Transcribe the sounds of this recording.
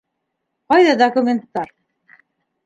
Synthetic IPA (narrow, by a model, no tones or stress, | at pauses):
qɑjðɑd̪okumʲent̪ːɑɾ